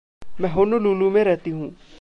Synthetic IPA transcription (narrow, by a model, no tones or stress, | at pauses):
mɛ̃ːɦʊnoluːlumẽɾɛɦt̪iɦũː